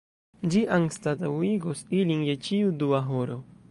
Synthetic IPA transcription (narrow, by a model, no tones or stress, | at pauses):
d͡ʒiʔaŋst̪at̪awiɡosilinjet͡ʃiuduaɦoɾo